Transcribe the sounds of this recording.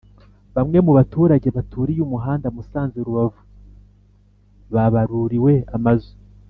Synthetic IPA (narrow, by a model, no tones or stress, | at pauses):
βamŋe̞muβatuːɾaɟe̞βatʰuːɾijuːmuɦaːndamusaːnzeɾuβavu | βaβaɾuɾiwe̞amazu